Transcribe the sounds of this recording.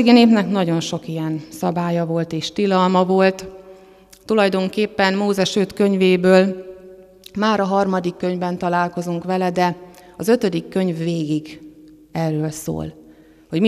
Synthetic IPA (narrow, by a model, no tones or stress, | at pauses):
ɡineːpnɛknɒɟo̞nʃo̞kijɛnsɒbaːjɒvo̞lt̪eːʃt̪ilɒlmɒvo̞lt̪ | t̪ulɒjd̪o̞ŋkeːpːɛnmoːzɛʃøt̪køɲveːbøːl | maːɾɒɦɒrmɒd̪ikːøɲvɛnt̪ɒlaːlko̞zuŋkʋɛlɛd̪ɛɒzø̞t̪ød̪ikːø̞ɲvːeːɡiɡ | ɛrːøːlso̰ːl | ho̞ɟm